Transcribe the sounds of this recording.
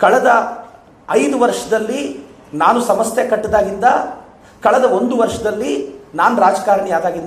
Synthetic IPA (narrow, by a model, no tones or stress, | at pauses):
kɐɭɐd̪ɐ | ɐjd̪uʋɐɾʂɐd̪ɐlːi | naːnusɐmɐst̪jekɐʈːid̪aːɡind̪ɐ | kɐɭɛd̪ɐond̪uʋɐɾʂɐd̪ɐlːinaːnuɾaːd͡ʒɐkaːɾɐɳijaːd̪aːɡind̪